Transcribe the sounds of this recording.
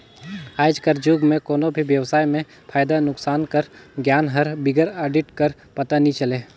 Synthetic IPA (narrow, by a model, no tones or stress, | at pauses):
aːd͡ʒkɐɾd͡ʒuːɡmẽkoːnobʱiʋjɐwsaːjmẽ | pʰaːjd̪anʊksaːnkɐɾɡjaːnɦɐɾbɪɡəɾaːɖɪʈkɐɾ | pɐt̪anĩt͡ʃɐleː